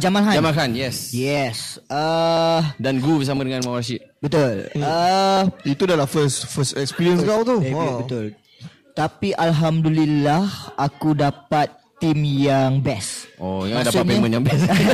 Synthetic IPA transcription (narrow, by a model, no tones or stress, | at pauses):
d͡ʒamanɦaamanɦanjɛsjɛsə | danɡubəs̬amadəŋãnmawasit̪̚bət̪ulə | it̪udalafəstfəstɛkspiɾiə̃nskawt̪ubət̪ʊl | t̪apiʔalɦamdulilahʔakudapat̪ːimjaŋbɛsʔojãmdasat̪ɲpeãmə̃njãŋbɛs